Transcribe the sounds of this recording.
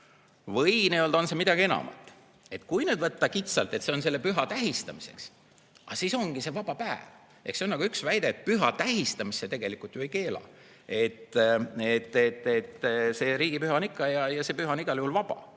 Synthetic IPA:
vɤjnejold̪o̞nse̞mid̪̥ɑɡ̥ie̞nɑ̰mɑ̰t̪ːˑ | e̞t̪kujned̪vɤt̪ːɑkit̪sɑlt̪e̞t̪se̞o̞nse̞lːepyɦɑt̪æɦist̪ɑmise̞̰ks | ʔɑ̰siso̞ŋɡ̥ise̞vɑb̥ɑpæev | ʔe̞hkseonːɑɡuyksvæjd̪̥e̞ːt̪̚ˑpyɦɑt̪æɦist̪ɑmisːet̪e̞ɡ̥e̞likːˑult̪joejke̞ːlɑ̰ | e̞t̪ːet̪ːˑet̪ːet̪ːse̞ːɾiːɡ̥ipyɦɑnikːɑjɑjɑse̞pyɦɑniɡ̥ɑljuhulvɑb̥ɑ̰

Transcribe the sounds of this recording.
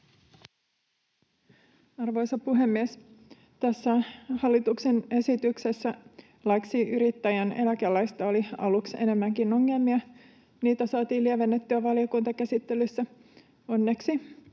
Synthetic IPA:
ɑrʋo̞jsɑpuɦe̞mːies | t̪æsːæhɑlːit̪uksene̞sit̪ykse̞sːæ | lɑksiʔyɾit̪ːæjænelækelæjst̪ɑoliɑ̰luksḛne̞mːæŋkino̞ŋːe̞lmiɑ | niːt̪æsɑːt̪iːlːieʋenːet̪ːyæʋɑliokunt̪ɑkæsit̪ːelysːæ | o̞nːe̞ksi

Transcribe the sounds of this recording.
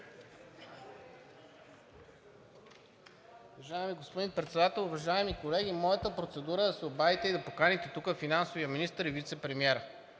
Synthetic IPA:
ʊvɐʒaɛmiɡospod̪inpɾɛt̪sɛd̪at̪ɛlˠʊvɐʒaɛmikolɛɡ̟ʲimɔjət̪əpɾot̪sɛd̪uɾəd̪ɐsɛobavit̪ɛid̪ɐpokanit̪ɛt̪ukəfinansovijəminist̪əɾivit̪sɛpɾɛmiɛɾə

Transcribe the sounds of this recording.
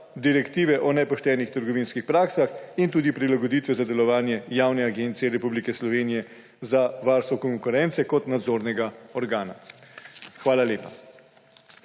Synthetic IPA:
d̪iɾɛkt̪iːʋɛʔɔnɛpɔʃt̪ɛːnixt̪əɾɡɔʋiːnskixpɾaːksaxint̪uːd̪ipɾilaɡɔd̪iːt̪ʋɛzad̪ɛlɔʋaːnjɛjaːwnɛaɡeːnt̪sijɛɾɛpublikɛslɔʋeːnijɛ | zaʋaːɾst̪ʋɔkɔŋkuɾɛnt̪sɛkɔt̪nad̪zoːɾnɛɡaɔɾɡaːna | xʋaːlaleːpa

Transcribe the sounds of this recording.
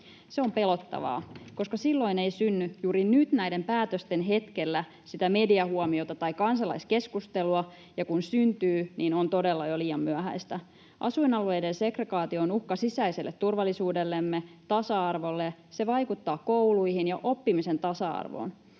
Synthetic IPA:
seo̞mpe̞lo̞t̪ːɑ̰ʋɑ̰ːko̞skɑsilːo̞ineijsynːyjuːɾinyt̪næjde̞mpæːt̪øst̪enɦe̞t̪ke̞lːæ | sit̪æme̞diɑhuɔmio̞t̪ɑt̪ɑjkɑnsɑlɑ̰iske̞skust̪eluɑ | jɑkunsynt̪yːniːnont̪o̞delːɑjoliːjɑmːmyæhæ̰jst̪æ | ʔɑ̰suinɑlue̞jdense̞kreɡɑːt̪ioonuhkɑsisæiselːet̪ːurʋɑlːisuːdelːemːet̪ɑsɑɑrʋo̞lːese̞ʋɑjkut̪ːɑːkouluihinjɑʔo̞pːimise̞nt̪ɑsɑɑ̰rʋo̰ːn

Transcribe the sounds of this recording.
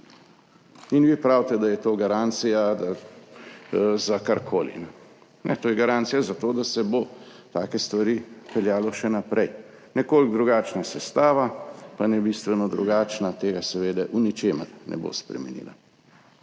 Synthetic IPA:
inʋipɾawt̪ɛd̪ajɛt̪oɡaɾaːnt̪sijad̪a | zakaɾkʰoːlḭnɛ | nɛt̪oːjɛɡaɾant̪sijazat̪od̪asɛbo | t̪aːkɛst̪ʋaɾipɛljaːlɔʃɛnapɾɛj | nɛkolɡd̪ɾuɡaːt͡ʃnasɛst̪aːʋapanɛbist̪ʋɛnɔd̪ɾuɡaːt͡ʃnat̪eːɡasɛʋeːd̪ɛʔunit͡ʃeːmə̰ɾnʔɛ̰bo̰spɾɛ̰mɛ̰nḭːla̰

